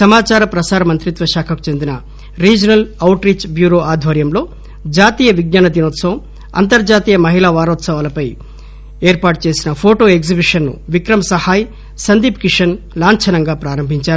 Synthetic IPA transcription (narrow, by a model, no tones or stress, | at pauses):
sɐmaːt͡ʃaːɾɐpɾɐsaːɾɐmɐnt̪ɾit̪ʋɐʃaːkʰɐku̥t͡ʃe̞nd̪inɐ | ɾiːd͡ʒɐnɐlɐwʈɾiːt͡ʃbjuːɾoːʔaːd̪ʱʋɐɾjɐmlo̞ː | d͡ʒaːt̪iːjɐʋiɡ̚naːnɐd̪inoːt̪sɐʋɐm | ɐ̰nt̪ɐɾd͡ʒaːt̪iːjɐmɐɦilaːʋaːɾɔːt̪sɐʋaːlɐpɐj | eːɾpaːʈt͡ʃe̞ːsinɐpʰoːʈo̞ːeɡzibiʂɐnːṵʋikɾɐmɐsɐhaːj | sɐnd̪iːpkiʂɐn | laːɲt͡ʃʰɐnɐŋɡaːpɾaːɾɐmbʱiɲt͡ʃaːɾ